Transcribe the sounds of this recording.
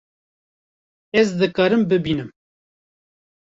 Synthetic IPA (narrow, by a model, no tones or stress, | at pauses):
ɛzd̪ɨkɑːɾɨmbɨbiːnɨm